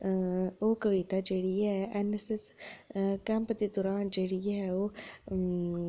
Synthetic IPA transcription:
okəʋit̪ad͡ʒeːɽiɦɛɛneses | kɛ̃mpd̪ed̪ɔɾaːnd͡ʒeːɽiɦɛoː

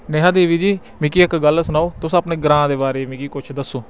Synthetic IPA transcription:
neɦaːd̪eːʋiːd͡ʒiː | mɪkiːɪkɡəlsʊnaːoːt̪ʊsəpneːɡɾãːd̪eːbaːɾeːmɪkiːkʊt͡ʃʰd̪əsːoː

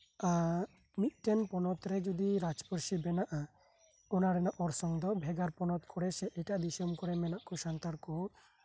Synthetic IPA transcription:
a | mit̪̚ˀʈɛnpɔnɔt̪ɾɛd͡ʒud̪iɾad͡ʒpɔɾʃibɛnaʔa | ɔnaɾɛnaʔɔɾsɔŋd̪ɔbʱɛɡaɾpɔnɔt̪kʰɔɽɛsɛʔɛʈaʔd̪isɔmkɔɾɛmɛnaʔkɔʃant̪aɾkɔ

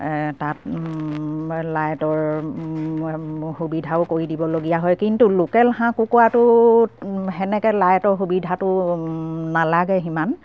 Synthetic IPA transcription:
tat | lajtɔɹ | hubidʱaʊkoɹidibɔloɡijaɦɔjkintulokɛlxãkukɔwatʊ | ɦɛnɛkɛlajtɔɹxubidʱatʊ | nalaɡɛɦiman

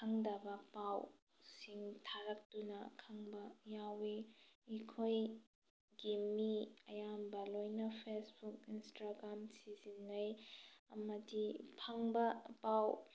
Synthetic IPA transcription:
kʰɐŋdɐbɐpaw | siŋtʰaɾɐk̚tunɐ̰kʰɐŋbɐjawiikʰoj | ɡimiɐ̰jambɐlojnɐpʰesbuk̚instɾaɡɾamsizinːɐjɐ̰mɐdipʰɐŋbɐpaw

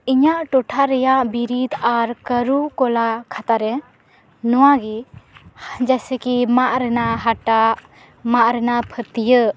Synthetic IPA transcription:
iɲaʔʈɔʈʰaɾɛjaʔbiɾid̪aɾkəɾukɔlakʰat̪aɾɛ | nɔwaɡi | d͡ʒasɛkimaʔɾɛnaɦaʈaʔ | maʔɾɛnapʰət̪ijə

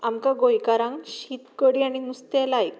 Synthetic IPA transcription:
amkãɡojkaɾãŋɕiːt̪kəɽiaɽ̃inust̪ɛlajk

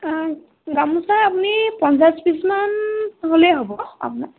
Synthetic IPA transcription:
ɡamusaːpunipɔnsaspismanɦoleɦobɔa̰puna

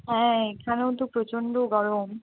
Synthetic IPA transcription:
ɦɛ̃ekʰaneot̪opɾot͡ɕoɳɖoɡɔɾom

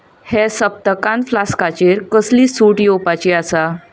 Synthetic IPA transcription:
hɛsəp̚t̪əkãnflaskat͡ɕeɾkəsliːsuːʈjopat͡ɕiasa

